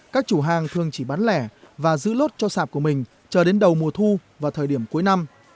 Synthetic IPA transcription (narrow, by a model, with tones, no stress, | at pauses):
kaː˦˥k̚t͡ɕu˧˩ɦaː˨˩ŋt̪ʰɨ˨˩əŋt͡ɕi˧˩ɓaː˨˦nlɛ˧˩vaː˨˩zɨ̰˧˥lo˦˥t̚t͡ɕɔ˧saː˨˩p̚ku˧˩əmï˨˩ŋ̟ | t͡ɕəː˧˩ɗe˨˦nɗə˨˩wmu˨˩ət̪ʰu˧vaː˨˩wt̪ʰəː˨˩jɗi˧˩əmku˨˦jna˧m